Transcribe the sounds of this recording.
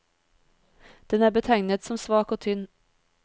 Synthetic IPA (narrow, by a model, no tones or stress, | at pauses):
d̪̥ɛnæːɾbət̪ʰæɪnət̪sɔmsʋɑːkoːt̪ʰʏnː